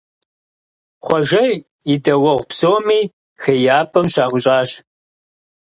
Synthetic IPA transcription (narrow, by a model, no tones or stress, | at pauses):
χʷɔʒɐ | idɐwɐʁʷpsoːmiː | xejaːpʰɐmʃaːʁʷʊɕʼaːɕ